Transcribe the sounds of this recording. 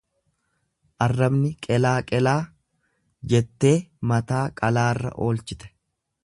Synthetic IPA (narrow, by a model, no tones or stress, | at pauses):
ʔɐrːɐbnɪkʼɛlaːkʼɛlaː | d͡ʒɛt̪ːe̞ːmɐt̪aːkʼɐlaːrːɐ̰ʔo̞ːlt͡ʃɪt̪ɛ̥